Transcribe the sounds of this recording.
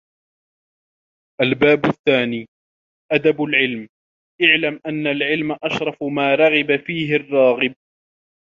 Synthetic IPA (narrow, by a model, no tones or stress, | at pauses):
ʔalbaːbʊθːaːniː | ʔad̪abʊlʕɪlm | ʔaʕlamʔanːalʕɪlmaʔɑʃɾˤɑfmaːɾˤɑɣɪbafiːɦɪrˤːɑːɣɪb̚